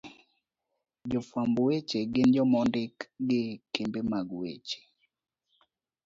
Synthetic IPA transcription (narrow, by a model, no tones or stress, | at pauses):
d͡ʒɔfwambwet͡ʃeɡɪnd͡ʒɔmɔndɪkɡɪkembemaɡwḛt͡ʃe̥